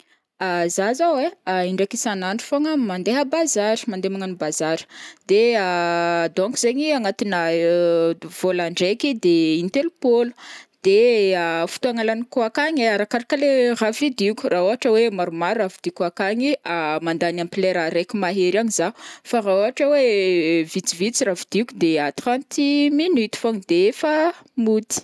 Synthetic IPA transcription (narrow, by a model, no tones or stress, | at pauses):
azazaweaiɳɖ͡ʐakisanaɳɖ͡ʐu̥foŋəmand̪eɦəbazaɾi̥mand̪emaŋanibazaɾə̥d̪ead̪ɔ̃ŋkuzeɲiaŋat̪inə | v̥olaɳɖ͡ʐekid̪eint̪elupol̥d̪̥eafu̥t̪uaŋalanikuakaɲeaɾakaɾakəleravid̪ikʲu̥rʔaoɦaʈ͡ʂəwemaɾumaɾːavid̪ikuakaŋiamand̪anampileɾaɾekumaɦeɾaɲizafaraoɦaʈ͡ʂəwevit͡sivit͡siravid̪ikʲud̪eat̪rãnt̪iminit̪i̥foŋid̪efamut̪i̥